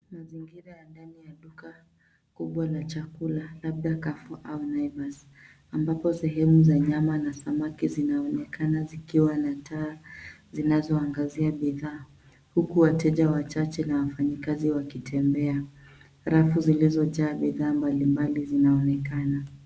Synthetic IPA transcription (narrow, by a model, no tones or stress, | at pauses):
maziŋɡiɾajandanijaɗuka | kuɓwalat͡ʃakulalaɓ̚ɗakafuʔaunajvas | ambapɔsɛɦɛmuzaɲamanasamakizinaɔnɛkanazikiwanatʰaːzinazɔaŋɡaziaɓiðaː | hukuwatɛʄawat͡ʃat͡ʃɛnawafaɲikaziwakitʰɛmbɛa | ɾafuzilizɔt͡ʃaːɓiðaːmbalimbalizinaɔnɛkana